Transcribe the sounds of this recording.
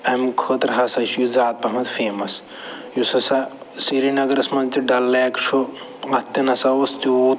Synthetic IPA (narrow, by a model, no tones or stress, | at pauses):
ɐmkʰət̪ɾɦɐsɐʃijuzaːt̪̚pɐmɐt̪feːmɐs | jusɐsɐ | siɾinɐɡɐɾɐsmɐnt̪iɖɐlːeːkt͡ʃʰu | ɐt̪ːinɐsɐost̪iuː